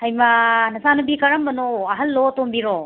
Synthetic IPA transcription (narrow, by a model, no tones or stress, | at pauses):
ɐjmɐnɐsanubikɐɾɐmbɐnoɐɦɐlːotombiɾo